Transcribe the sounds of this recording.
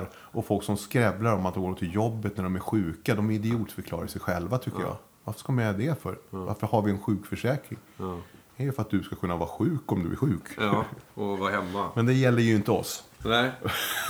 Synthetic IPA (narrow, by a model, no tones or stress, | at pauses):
ɾ | ɔfɔlksɔmskɾɛblaɾɔmat̪̚ɔɡotʰɪljɔbːət̪næɖɔmæɾɧʉ̟ːkad̪ɔmɪd̪ɪuːt̪fœɾkʰlɑ̰ːɾaɾsɛjɧɛlvat̪ʰʏkːəjɑ̰ː | vaɾfə̥ʂkamɛd̪ɛfœ̰ɾva̰ɾfəɾhaɾvɪɛnɧʉ̟ːkfœʂɛːkɾɪ̰ŋ | ɛɾjɵfœɾat̪̚d̪ɵskakʰɵnːavɑ̰ːɾaɧʉ̟ːkɔmd̪ɵ̰æ̰ɾɧʉ̟ːk | ɔvahɛmːamɛnd̪ɛjɛlːəɾjɵɪnt̪əɔ̰sɛ